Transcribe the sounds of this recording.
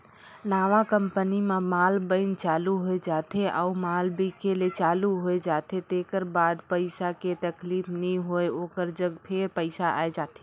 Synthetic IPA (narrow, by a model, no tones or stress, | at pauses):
naʋãkəmpənimemalbəɪnt͡ʃaluɦoed͡ʒat̪ʰeʔa̰umalbʱikelet͡ʃaluɦoed͡ʒat̪et̪ekəɾbad̪pəɪsaket̪əklipʰniɦoeokəɾd͡ʒəɡpʰeɾpəɪsaʔa̰ed͡ʒat̪i̥